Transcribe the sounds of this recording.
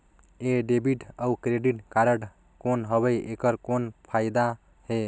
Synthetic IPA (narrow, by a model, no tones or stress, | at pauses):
eɖebiʈəukɾeɖiʈkaɾəɽ | konɦəbəjekəɾkonpʰajd̪a | he